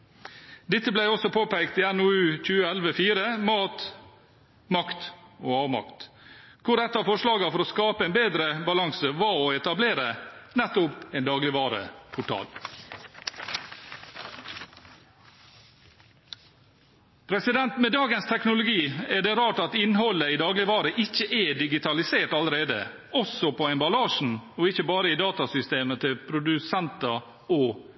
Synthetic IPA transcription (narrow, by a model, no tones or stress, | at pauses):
d̪ɪt̪ːəblæɪɔsɔpʰoːpæɪkt̪iːænʊʉːc͡çʉːəælʋəfiːɾəmɑːt̪ | mɑkt̪oːɑːʋmɑ̰kt̪ | kʰʊɾɛt̪ːɑːfɔʂlɑːɡɑfɔɾoːskɑːpəɛɪnbeːd̪ɾəbɑlɑŋsəʋɑːoɛt̪ɑbleːɾənɛt̪ːʊpeɪnd̪ɑːɡlɪʋɑːɾə̰pʰʊʈʰɑ̰ːl | pʰɾɛsɪd̪ɛnt̪meːd̪ɑːɡənst̪ʰɛknʊlʊɡiːɛɖɛːɾɑːʈɑt̪ɪnɦɔlːəiːd̪ɑːɡlɪʋɑːɾəʔɪçːəʔɛɖɪɡɪt̪ʰɑlɪseːʈɑlɾeːd̪ə̰ | ɔsɔpʰɔɛnbɑlɑːʂn̩ɔɪçəbɑːɾəid̪ɑːt̪ɑsʏst̪eːmət̪ʰɪlpʰɾʊd̪ʉsɛnt̪ɑ | ɔ